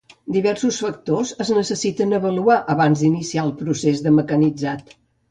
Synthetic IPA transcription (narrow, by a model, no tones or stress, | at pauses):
d̪iβɛɾsusfək̚t̪ozəznəsəsit̪ənəβəluaʔəβanzd̪inisiaəlˠpɾusezðəməkənid͡zat̪